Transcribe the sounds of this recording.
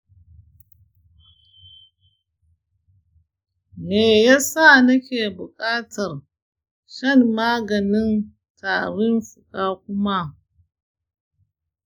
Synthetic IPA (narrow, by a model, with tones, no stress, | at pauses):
neː˨ja˦sa˦˨nɐ˦kʲeː˨bʊ˨kʼaː˦tʰɐ˨r | ʃɐ˦˨nːaː˦ɡɐ˨nɪ˦n | tʰaː˨ɽɪ˦mɸʊ˨kʼaː˦kʷʊ˦ma˦